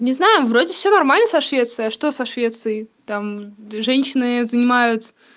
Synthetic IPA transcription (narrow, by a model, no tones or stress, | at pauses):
nʲɪznajʊvɾodʲɪfsʲonɐrmalʲnəsɐʂvʲe̞t̪sɨjɐʂt̪o̞sɐʂvʲe̞t̪sɨjt̪amʐɛnʲɕɪnɨzənʲɪmajʊt̪